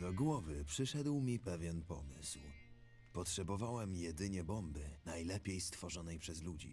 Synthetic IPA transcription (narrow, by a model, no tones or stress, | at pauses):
d̪ɔɡwɔvɘpʂɘʂɛd̪wmʲipɛvʲjɛnpɔ̰mɘ̰sw | pɔtʂɛbɔvawɛmjɛd̪ɘɲɛbɔmbɘnajlɛpʲejst̪fɔʐɔnɛjpʂɛzlud͡ʑḭ